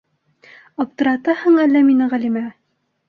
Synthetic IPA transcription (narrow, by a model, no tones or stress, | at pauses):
ɑp̚t̪ɤ̆ɾɑt̪ɑhɤɴælːæminɘʁælimæ